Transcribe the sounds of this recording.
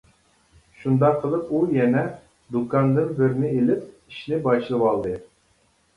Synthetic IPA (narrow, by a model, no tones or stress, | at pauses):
ʃund̪ɑqʰəlˠɨpujɛnɛ | d̪ukʰɑnd̪ɨnbɪɾɪnɪelɪp̚ | iʃnɪbɑʃlˠɨwɑlˠd̪ɨ